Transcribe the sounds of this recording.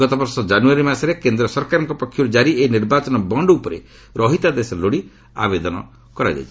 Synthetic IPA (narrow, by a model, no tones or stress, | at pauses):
ɔt̪ɔbɔɾsɔd͡ʒanuaɾimasɔɾekend̪ɾɔsɔɾkaɾɔŋkɔpɔkʰjuɾed͡ʒaɾieniɾbat͡ʃɔnɔbɔɳɖupɔɾḛ | ɾɔɦit̪ad̪esɔloɽi | a̰bed̪ɔnɔ̰ | kɔɾa̰d͡ʒa̰jt͡ʃʰi